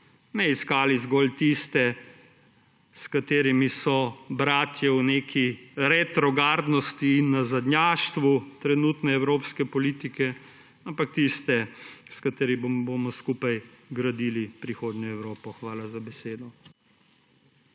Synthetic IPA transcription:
nɛiskaːlizɡɔlt̪ist̪ɛ | skat̪eːɾimisɔbɾaːt̪jɛwneːkʰiɾɛt̪ɾɔɡaːɾd̪nɔst̪iːnːazad̪nʲjaːʃt̪ʋut̪ɾɛnuːt̪nɛɛwɾoːpskɛpɔliːt̪ikɛ | ampak̚t̪ist̪ɛskat̪eːɾibbomɔskupajɡɾad̪iːlipɾixoːd̪nɔɛwɾoːpɔxʋaːlazabɛseːd̪ɔ

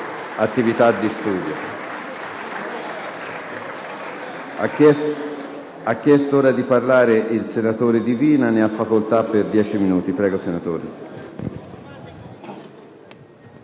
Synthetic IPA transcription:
at̪ːivit̪ad̪ːist̪uːd̪jo̰ | akːjɛst̪ooːɾad̪iparlaːɾeʔilsenat̪oːɾed̪iviːnaneafːakolt̪apːerd̪jɛːt͡ʃiminuːt̪ipɾɛːɡosenat̪oːɾḛ

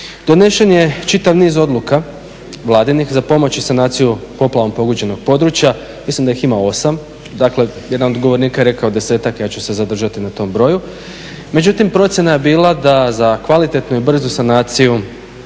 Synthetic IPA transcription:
d̪̥o̞ne̞ʃenje̞t͡ʃit̪aʋniːzo̞d̪lˠuka | ʋlˠaːd̪inixzapo̞mo̞t͡ɕisanaːt̪sijupo̞plˠaʋo̞mpo̞ɡod͡ʑe̞no̞ɡ̥̚po̞d̪ɾut͡ɕja | mislimd̪aiximao̞sam | d̪akle̞jed̪anod̪ɡoʋo̞ɾniːkaje̞ɾe̞kaod̪e̞se̞ːt̪akjaːt͡ɕuse̞zad̪r̩ʒat̪inat̪o̞ːmbɾo̞ju | me̞d͡ʑut̪impɾo̞t̪sʲjenaje̞biːlad̪azakʋalit̪e̞t̪nuibr̩zusanaːt̪siju

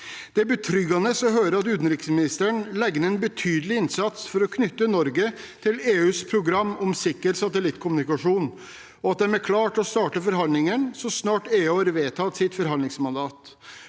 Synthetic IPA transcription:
d̪̥ɛæbət̪ʰɾʏɡɑnəsɔɦøːɾəɾɑt̪ʉːt̪n̩ɾɪksmɪnɪst̪əɳlɛɡnəɛnbət̪ʰyːd̪əlɪɪnsɑt̪sfɔɾɔkʰnʏt̪ːənɔɾɡət̪ʰɪleːʉːspʰɾʊɡɾɑmːɔmsɪkːəɾsɑt̪əlɪt̪ːkʰʊmnɪkɑʂuːn | ɔɑt̪̚d̪ɛmækʰlɑːʈɔst̪ɑːʈəfɔɾɦɑnd̪lɪŋənsɔsnɑːʈeːʉːɑːɾʋeːt̪ʰɑt̪sɪt̪fɔɾɦɑnd̪lɪŋsmɑnd̪ɑːt̪

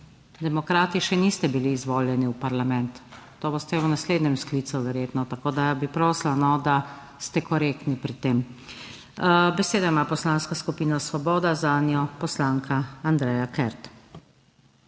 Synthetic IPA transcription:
d̪ɛmɔkɾaːt̪iʃɛniːst̪ɛbiliːzʋoːljɛniupaɾlamɛ̃nt̪ː | oːboːst̪ɛunasleːd̪nɲɛmskliːt̪suʋɛɾjeːt̪nɔt̪akoːd̪abipɾoːslanɔd̪a | st̪ɛkɔɾeːk̚t̪nipɾit̪eːm | bɛseːd̪aimaːpɔslanskaskupiːnasʋɔbɔːd̪azaːnjɔpɔslaːŋkʰaand̪ɾɛjakɛɾt̪

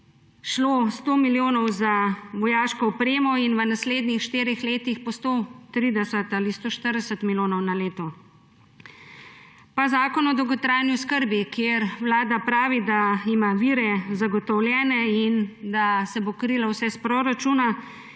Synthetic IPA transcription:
ʃlost̪oːmiljoːnɔwzaʋɔjaːʃkɔɔpɾeːmɔinʋənasleːd̪nixʃt̪eːɾixleːt̪ixpɔst̪ot̪ɾiːd̪ɛsət̪aːlist̪oʃt̪əɾd̪ɛsət̪milʲjoːnɔwnaleːt̪ɔ | pazaːkɔnɔd̪ɔwɡɔt̪ɾajnjuskəɾbikjeɾwlaːd̪apɾaːʋid̪aimaʋiːɾɛzaɡɔt̪ɔwlʲjɛːnɛind̪asɛbokɾilawsɛspɾoɾat͡ʃuna

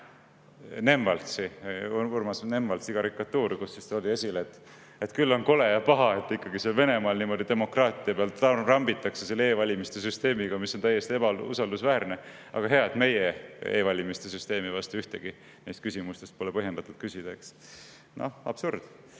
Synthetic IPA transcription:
ne̞mvɑlt̪siurmɑsne̞mvɑlt̪sikɑɾikːɑt̪ːuːɾikusːist̪olʲiesʲileet̪ːˑ | et̪kylːo̞nko̞lejɑpɑɦɑe̞t̪ːikːɑɡiseɑlve̞ne̞mɑːlnimo̞d̪id̪e̞mo̞krɑːt̪ˑiɑpeɑlɑrɑmbit̪ːˑɑkse̞selːeeːvɑlʲimist̪esyst̪e̞ːmiɡ̥ɑmisːont̪æjːest̪ie̞b̥ɑṵsɑld̪usvæːrne̞ | ɑ̰ɡ̥ɑɦe̞ɑt̪me̞jeeːvɑlʲimist̪e̞syst̪e̞ːmivɑst̪uyht̪e̞ɡ̥i | nest̪̚kysimust̪e̞st̪̚po̞lepɤɦjend̪̥ɑt̪ːud̪̚kysʲid̪̥ɑeks | no̰ɑ̰b̥surd̪̥

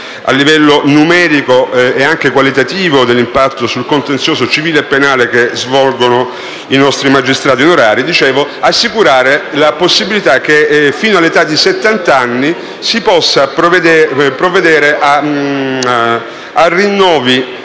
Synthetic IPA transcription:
a̰lːivɛlːonumɛːɾikoeaŋkekwalit̪at̪iːvod̪elːimpat̪ːosulkont̪ent̪sjoːzot͡ʃiviːleːpːenaːlekezvɔlɡono | inɔst̪ɾimad͡ʒist̪ɾaːt̪ionoɾaːɾid̪it͡ʃeːvoasːikuɾaːɾelaposːibilit̪ak̟ːefiːnoalːet̪ad̪ːiset̪ːant̪anːi | sipɔsːapɾd̪epɾoved̪ɛːɾeʔa | arːinːɔːvi

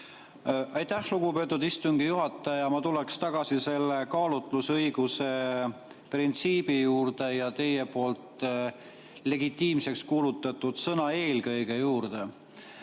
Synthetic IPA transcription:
ʔɑjt̪æhluɡ̥upø̞ːt̪ːˑud̪ist̪uŋɡ̥ijuɦɑt̪ːˑɑjɑmɑt̪ulekst̪ɑɡ̥ɑsise̞lːe̞kɑːlut̪ˑlusɤjɡ̥use̞ | print̪siːb̥ijuːrd̪̥e̞jɑt̪e̞je̞po̞ːlt̪ | le̞ɡit̪ːˑiːmse̞kskuːlut̪ːˑɑt̪ːud̪̥sɤnɑe̞ːlkɤjɡ̥e̞juːrd̪̥e̞

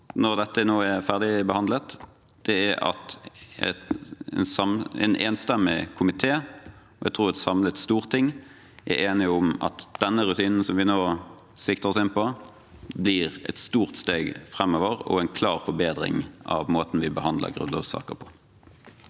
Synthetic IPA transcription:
nɔʁd̪ɛt̪ːənoːæʁfæʁd̪ɪbəhɑnd̪lət̪ | d̪̥ɛæɑ̰t̪ɛ̰t̪nsɑmɛ̰nʔeːnst̪ɛmɪkʰʊmɪt̪ʰeː | ɔɛ̰ɡ̚t̪ʰɾuːʁɛt̪sɑmlət̪st̪uːʁt̪ʰːɪŋː | ʔæɾʔeːnɪʊmɑ̰t̪d̪̥ɛnːəɾʉt̪ʰiːnn̩sɔmʋɪnoː | sɪkt̪əʁɔsɪnpɔ | bliʁɛ̰t̪st̪uːʁt̪st̪eːɡfʁɛmːoːʋəɾɔ̰ɛnkʰlɑːʁfɔɾbeːd̪ɾɪ̰ŋʔɑ̰ʋmoːt̪n̩ʋɪbəhɑnd̪ə̰ɡʁʉ̰nlɑ̰ːʋsɑ̰ːkə̰pʰɔ̥

